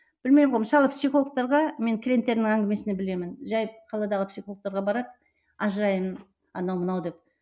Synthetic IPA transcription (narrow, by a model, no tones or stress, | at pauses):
b̥ɪlme̞jmʁo̞jməsɑlˠəpsijχo̞lˠək̚t̪ɑɾʁɑme̞ŋkʲʰɪɾʲe̞mt̪ːe̞ɾnɪŋæŋɡʲɪme̞sɪnebɪle̞mɪnʒɑjqʰɑlˠɑd̪ɑʁəpsʲiχoək̚t̪ɑɾʁɑbɑɾɑd̪ | ɑʒəɾɑjmən | ɑ̰nɑwmənɑwd̪e̞p̚